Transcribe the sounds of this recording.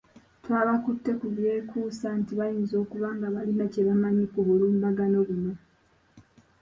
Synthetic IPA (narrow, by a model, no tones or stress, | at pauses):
twaːβakutːe̞kuβje̞ːkʰuːsantiβajiːnzo̞ːkuβaːŋɡaβalinace̞βamaɲikoβuluːmbaɡano̞βuno